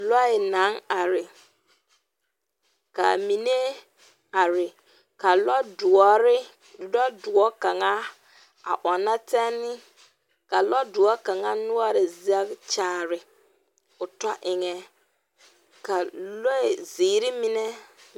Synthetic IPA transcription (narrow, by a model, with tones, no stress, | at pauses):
lɔ˦ɪ˨na˨˦ŋa˨ɾɪ˨ | ka̰˨mi˨ne˦ | a˨ɾɪ˨ | ka˨lɔ˦dʊ˨ɔ˦ɾɪ˦ | lɔ˦dʊ˨ɔ˦ka˨ŋa˦ | a̰˨ʔɔ˨na˦tɛ˦nːɪ˦ | ka˨lɔ˦dʊ˨ɔ˦ka˨ŋa˦nʊ˦ɔ˦ɾɪ˨za˦kt͡ʃaː˦˨ɾɪ˨ | ʊ˨tɔ˦ʔɪ˨ŋɛ˦ | ka˨lɔ˦ɪ˨ziː˨˦ɾɪ˦mɪ˦nɛ˦